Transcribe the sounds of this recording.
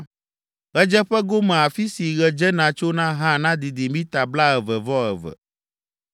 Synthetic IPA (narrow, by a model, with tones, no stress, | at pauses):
ɣɛ˦d͡ʒɛ˦ɸɛ˦ɡo˦mɛ̃˨a˨fi˦si˨ɣɛ˨d͡ʒɛ˦nã˨t͡ʃo˦nã˦ɦã˦nã˦d̪i˨d̪i˨mĩ˦t̪a˨bla˦ɛ˨vɛ˨vɔ˦ɛ̰˨vɛ̰˨